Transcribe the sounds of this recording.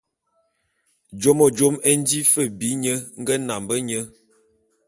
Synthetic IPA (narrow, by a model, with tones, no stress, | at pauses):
d͡ʒo˦mo˨d͡ʒo˦me˦n̩˦di˦fə˦˨bi˨˦ɲə˦ŋ̩˦ɡə˦na˨mbə˦ɲə˦